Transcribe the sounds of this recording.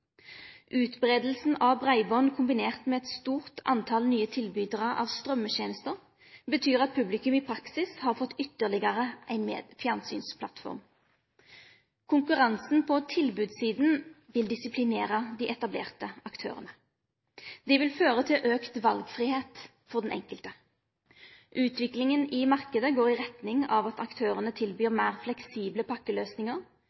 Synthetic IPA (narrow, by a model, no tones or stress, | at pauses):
ʔʉːt̪bʁeːd̪l̩sn̩ɑbʁæɪbɔnkʰʊmbɪneːʁt̪mɛːɛt̪st̪uːʁt̪ʰɑ̰nt̪ʰɑlnyːət̪ʰɪlbyːd̪ʁɑʔɑ̰ʋst̪ʁœmːəteːnəst̪əʁ | bət̪ʰyːʁɑt̪̚pʰʉblɪkʉmiːpʰʁɑksɪshɑːʁfɔt̪ːʏt̪ːəʁlɪɡəʁəæɪnmḛːd̪̥fjɑnsy̰ːnspʰlɑ̰t̪fɔ̰ʁm | kʰʊŋkʉʁɑnsn̩pʰɔt̪ʰɪlbʉːd̪siːd̪n̩ | ʋɪld̪ɪsɪpʰlɪneːʁəd̪iːʔɛt̪ɑblḛːʁt̪əɑkt̪ʰø̰ːʁənə | d̪ɛʋɪlføːʁət̪ʰɪlʔøːkt̪ʋɑlɡfʁiːheːt̪ | fɔʁd̪ɛnʔɛ̰ŋkəlt̪ə | ʔʉːt̪ʋɪklɪŋənɪmɑʁkəd̪əɡoːʁɪʁɛt̪nɪŋɑʋɑt̪ɑkt̪ʰøːʁənət̪ʰɪlbyːʁmæːʁflɛksiːbləpʰɑkːəløːsnɪŋəʁ